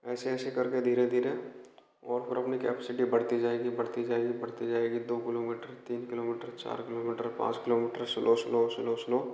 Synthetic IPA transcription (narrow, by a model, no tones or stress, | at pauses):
ɛːseɛːsekɐɾked̪ʱiːɾẽd̪ʱiːɾe | ɔːɾpʰɪɾɐpnikɛ̰ːpɛsɪʈibɐɽ̤t̪id͡ʒaːeːɡibɐɽt̪id͡ʒaːeːɡibɐɽ̤t̪id͡ʒaːeɡid̪oːkɪloːmiːʈəɾt̪iːnkɪloːmiːʈəɾt͡ʃa̰ːɾkɪloːmiːʈəɾpã̰ːt͡ʃkɪloːmiːʈəɾsɪloslosɪloslo